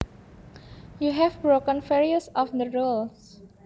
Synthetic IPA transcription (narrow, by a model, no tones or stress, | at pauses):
juɦɛfbɾokə̃nfeɹiəsɔfd̪əɹuls